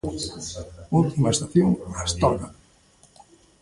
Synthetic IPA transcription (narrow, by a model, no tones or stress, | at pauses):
ult̪imaest̪aθjoŋast̪ɔka